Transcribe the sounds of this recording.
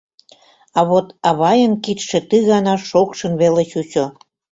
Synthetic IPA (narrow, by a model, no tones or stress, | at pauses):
ɑβot̪ɑβɑjənkit̪ʃĕt̪ɨɣɑnɑʃokʃə̆nβelet͡ɕut͡ɕo